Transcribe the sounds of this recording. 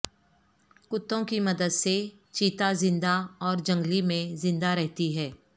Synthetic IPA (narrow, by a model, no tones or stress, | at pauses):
kʊt̪ːõkimɐd̪əd̪se | t͡ʃiːt̪azɪ̃nd̪aɔːɾd͡ʒə̃ŋɡlimẽzɪ̃nd̪aɾɛɦt̪iɦɛː